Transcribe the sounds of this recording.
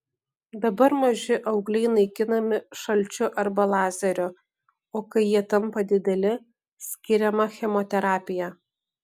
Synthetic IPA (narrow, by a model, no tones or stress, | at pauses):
d̪ɐbɐɾmɐʒʲɪʔɐʊɡlʲɛɪnɐɪkʲɪnɐmʲɪʃɐlʲt͡ʃʲʊʔɐɾbɐlˠɑːzʲɐɾʲʊ | oːkɐɪjiɛt̪ɐmpɐd̪ʲɪd̪ʲɛlʲɪ | sʲkʲɪɾʲɛmɐxʲɛmɔt̪ʲɛɾɑːpʲɪjɛ